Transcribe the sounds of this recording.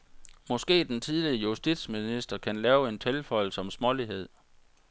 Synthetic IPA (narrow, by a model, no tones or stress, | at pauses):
mɒ̽sɡ̥e̝̰ːd̥ent͡sʰiðˠliəjusd̥id̥sminisd̥ɐkʰænlɛːʊe̝nt͡sʰelfɒ̽ɪl̩səɒ̽msmɒ̽liɦe̝ð̰ˠ